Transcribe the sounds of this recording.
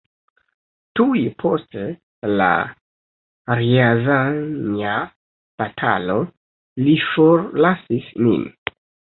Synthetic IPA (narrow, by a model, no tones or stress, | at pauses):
tujpʰo̞ste | la̰ | ɾiazaɲa | b̥atʰa̰lo̞ | lifoɾlasismḭn